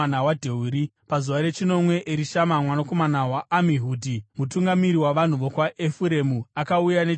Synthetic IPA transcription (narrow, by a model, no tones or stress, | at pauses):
anawadʱe̞uɾipazuʋaɾe̞t͡ʃino̞mwe̞ʔeɾiʃamamwanako̞manawaʔːmiɦuːdʱimutuŋɡamiɾiwaʋan̤uʋo̞kwaʔefuɾe̞muakaujane